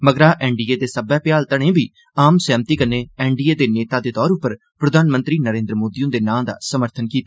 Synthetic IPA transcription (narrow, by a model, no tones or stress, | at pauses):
məɡɾaːʔɛːɳɖiːeːd̪eːsəbɛːpɪjaːlt̪əɽ̃ẽːbʱiː | aːmsɛːmt̪iːkəneːɛːɳɖiːeːd̪eːneːt̪aːd̪eːt̪ɔːɾʊpːəɾ | pɾəd̪ʱaːnmə̃nt̪ɾiːnəɾẽːnd̪ɾəmoːd̪ijõːd̪eːnãːd̪a̰ːsəməɾt̪ʰənkiːt̪a